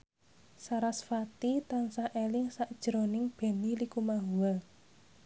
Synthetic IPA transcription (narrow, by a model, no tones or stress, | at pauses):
saɾasfat̪it̪ansaʔelɪŋsaʔd̥ʒ̥ɾo̤nɪŋb̥e̤nilikumaɦuwa